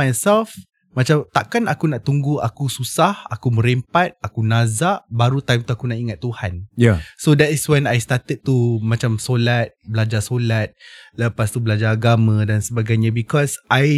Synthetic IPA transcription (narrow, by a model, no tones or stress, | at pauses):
ajsɛlf | mat͡ʃamt̪aʔkanakunaʔt̪uŋɡua̰kususahakumə̃ɾempat̪̚akunazaʔbaɾut̪ajmt̪uakunaʔiŋat̪ːuhanjasodɛtiswɛnajst̪at̪əd̪̚t̪umãt͡ʃamsolat̪̚bəlad͡ʒasolat̪̚ləpast̪ubəlad͡ʒaːɡamãdansəbaɡajɲabikɔsʔaj